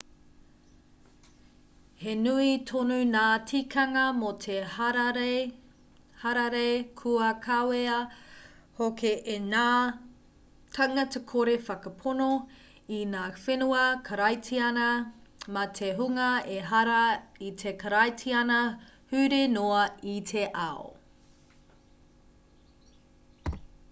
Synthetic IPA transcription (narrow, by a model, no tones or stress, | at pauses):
henuitʰonunaːtʰikʰɐŋɐmotʰeh | hɐɾɐɾekʰuɐkʰaweɐ | hokeʔːnaː | tʰɐŋɐtekʰoɾefɐkɐpʰono | inaːfenuɐkʰɐɾɐjtʰiɐnɐmɐtʰeɦuŋɐeɦɐɾɐitʰekɐɾɐjtʰiɐnɐhʉɾenoɐitʰeʔɐo̰